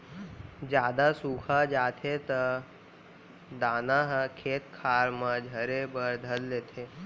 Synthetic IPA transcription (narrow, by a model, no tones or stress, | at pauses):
d͡ʒjaːd̪asuːkʰad͡ʒaːt̪ʰet̪ə | d̪aːnaɦkʰeːt̪̚kʰaːɾmə̃d͡ʒʱəɾebəɾd̪ʱəlleːt̪ʰeː